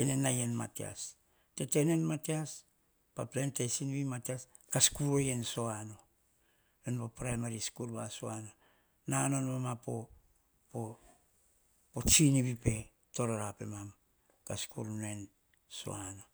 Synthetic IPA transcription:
enenajenma̰tia̰s | te̞tenenmateas | paplentesinβimatias | kaskuɾojenso̞ano̞ | jonpapɾajmaɾiskuɾbasoano̞ | nanonmamapo | po | pot͡ʃiniβipe̞ | to̞ɾoɾape̞̰mam | kaskuɾnoe̞n | so̞̰ano̞

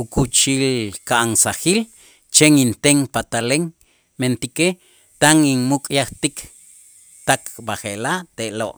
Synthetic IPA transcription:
ukut͡ʃilkaʔaŋsaxil | t͡ʃeŋint̪eŋpat̪aleŋ | ment̪ike | t̪aŋiŋmukʼjaχt̪ik | t̪akbaχelaʔt̪eʔlo̰ʔ

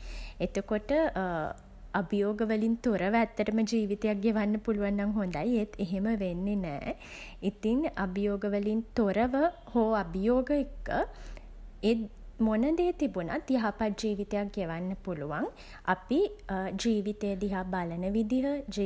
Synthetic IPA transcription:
et̪əkoʈə | abijoːɡəʋəlint̪oɾəʋəæt̪ːəʈəməd͡ʒiːʋit̪ejak̚ɡeʋanːəpuluʋanːaŋɦond̪ajet̪eɦeməʋenːenɛ̰ː | it̪iŋabəjoːɡəʋəlint̪oɾəʋə | hoːabijoːɡəekːə | e | monəd̪eːt̪ibuna̰t̪jaɦapat̚d͡ʒiːʋit̪ejak̚ɡeʋanːəpuluʋaŋ | apid͡ʒiːʋit̪ejəd̪iɦabalənəʋid̪iɦəd͡ʒiː

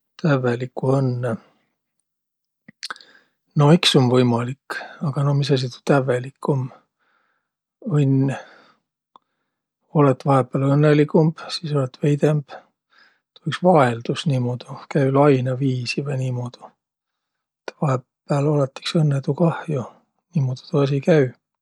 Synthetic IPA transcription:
t̪ævelikːuɤnːe | no̞iksomvɤjmɑlikːɑɡ̥ɑno̞misɑs̬it̪u̥t̪æve̞likːum | ɤnʲ | o̞let̪ːvɑɦepːˑælɤnːelikˑumb̥siːso̞let̪ːvejd̪e̞mb̥ | t̪u̥iksvɑe̞ld̪̥usniːmoːd̪̥ukæylɑjnɑviːsivɤjniːmod̪̥u̥ | et̪ːvɑhepː | æːlolɑt̪ːi̥ksɤnːet̪ukɑhju | niːmoːd̪i̥t̪uɑs̬ikæy

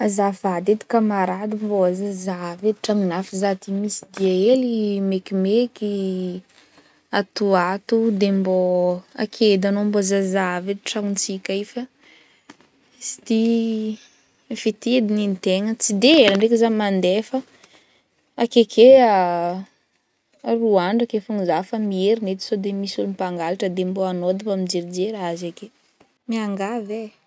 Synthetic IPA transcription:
azavad̪ed̪i̥kamaɾad̪imboazazaved̪iʈ͡ʂaŋinafizat̪imisid̪iaelimekimeki | at̪uat̪ud̪emboa̰kʰed̪anombozazaved̪iʈ͡ʂaŋunt͡sikʲaifə | si̥t̪i | fit̪ed̪ininit̪eŋət͡sid̪eeləɳɖ͡ʐekizamand̪efə | akekʰea | ruaɳɖ͡ʐakefuŋizafəmieɾinet̪i̥sod̪emisulumipaŋɡalaʈ͡ʂəd̪emboanod̪ipamid͡ʒeɾid͡ʒeɾaazake | miaŋɡave

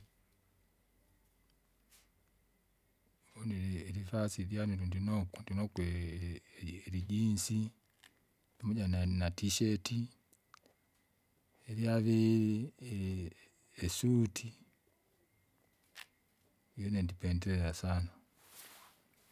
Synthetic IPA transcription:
onielifasiɾjanudundinokundinokwe | ɾiɟiːnsi | imuɟananatiʃeti | eljaβiɾi | esutʰi | jonendipendeɾeɾasana

